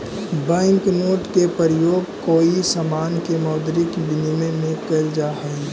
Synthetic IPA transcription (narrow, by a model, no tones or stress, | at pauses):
bə̃ŋknoːʈkepəɾəjoːɡkoːisamaːnkemɔːd̪ɾɪkbɪnimẽnɪkəld͡ʒaɦɛi